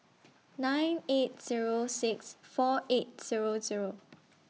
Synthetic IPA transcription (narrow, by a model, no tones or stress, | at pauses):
nãɪ̃net̚z̥iɹosɪksfɔʔet̚z̥iɹoziɹo